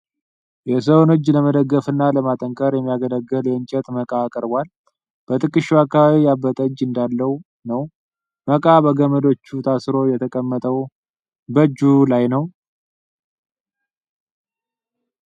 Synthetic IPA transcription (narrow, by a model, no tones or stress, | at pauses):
jɛs̬əwonod͡ʒːləməd̪əɡːəfɨnːaləmat̪ʼəŋkʼəɾjɛmːijaɡələɡːəljɛɨɲt͡ʃʼɛt̪məkʼakʼəɾbʷal | b̥ət̪ʰʼɨkʼːɨʃːuakːaβaβijabːət̪ʼəd͡ʒːɨnd̪alːəhu | nəw | məkʼabəɡəməd̪o̞t͡ʃːut̪ʰasɾo̞jɛt̪ʰəkʼəmːət̪ʼəw | bəd͡ʒulajnəw